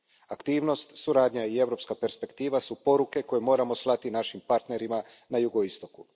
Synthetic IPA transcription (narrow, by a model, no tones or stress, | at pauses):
akt̪iːʋno̞st̪suɾaːd̪ɲaie̞ʋɾo̞pskape̞ɾspe̞kt̪iːʋasupo̞ɾuke̞ko̞jemo̞ːɾamo̞slˠat̪inaʃimpaɾt̪ne̞ɾimanajuɡo̞ist̪o̞ku